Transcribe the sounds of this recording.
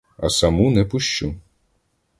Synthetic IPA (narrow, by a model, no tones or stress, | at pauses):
ɐ̰sɐmunɛpʊʃt͡ʃu